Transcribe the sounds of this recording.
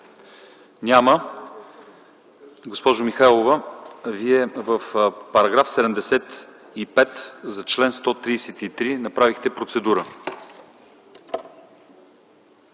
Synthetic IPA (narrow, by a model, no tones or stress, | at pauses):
nʲamə | ɡospɔʒomixajlˠovəviɛvəfpɐɾɐɡɾafsɛd̪ɛmd̪ɛsɛt̪ | ipɛt̪zɐt͡ʃlɛnst̪ɔt̪ɾiːsɛt̪it̪ɾinɐpɾavixt̪ɛpɾot̪sɛd̪uɾə